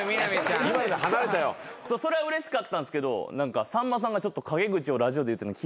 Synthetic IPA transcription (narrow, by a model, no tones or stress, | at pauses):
mʲinamit͡ɕãimaiaɦanaɾe̞t̪ajo̰ | soːso̞ɾe̞aɯ̟ɾe̞ɕi̥kat̪ːãsɨ̥ke̞d̪o̞̰nãŋkasãmːas̬ãŋɡat͡ɕo̞t̪ːo̞kʰaɡe̞ɡɯ̟t͡ɕio̞ɾaʑio̞d̪eɯ̟t̪ːenokʲi